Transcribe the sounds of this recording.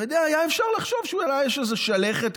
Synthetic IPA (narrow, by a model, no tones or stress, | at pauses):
od̪eaajaefʃaʁlaχʃo̞vʃeujalajaʃezeʃaleχet̪